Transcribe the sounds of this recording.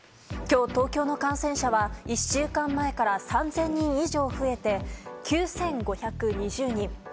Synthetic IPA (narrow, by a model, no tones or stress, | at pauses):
kʲo̞ːt̪o̞ːkʲo̞ːno̞kãɰ̃sẽ̞ɰ̃ɕaβaiɕɨːkãmːae̞kaɾasãnd͡zẽ̞ɲ̟ːĩɰ̃iʑo̞ːɸɯ̟e̞t̪e̞kʲʰɨːsẽ̞ŋɡo̞çakɯ̟ɲ̟iʑɨːɲ̟ĩŋ